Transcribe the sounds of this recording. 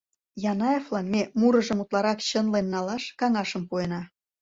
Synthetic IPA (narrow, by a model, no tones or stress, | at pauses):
jɑnɑjeflɑnmemuɾə̆ʒəmut̪lɑɾɑkt͡ɕənlenːɑlɑʃkɑŋɑʃəmpuenɑ